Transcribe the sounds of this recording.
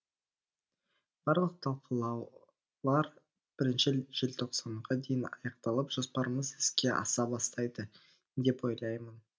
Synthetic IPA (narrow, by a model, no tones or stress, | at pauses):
b̥ɑɾlˠəq̚t̪ʰɑlˠqʰəlˠɑw | lˠɑɾ | b̥ɪɾɪnʃɪʒ̥elt̪ʰo̞qsɑɴʁɑd̪e̞jɪnɑ̰jɑqt̪ɑlˠəpʒ̥ospɑɾəməzɪskʲe̞ʔɑ̰sɑbɑst̪ɑjd̪ə | d̪e̞pwo̞jlˠɑjmən